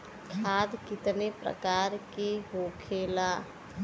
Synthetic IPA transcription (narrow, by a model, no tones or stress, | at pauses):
kʰad̪kɪt̪nepɾə̰kaɾkeɦokʰela